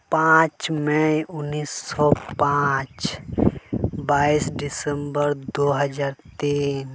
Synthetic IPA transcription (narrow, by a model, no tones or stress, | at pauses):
pãːt͡ʃmɛʊnːiːsːɔpãt͡ʃ | baːisɖɪsə̃mbəɾd̪oːɦəd͡ʒaːɾt̪iːn